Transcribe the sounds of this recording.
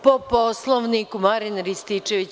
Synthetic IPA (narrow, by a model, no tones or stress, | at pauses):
poposlˠoʋnikumaɾinɾist̪it͡ʃeʋit͡ɕ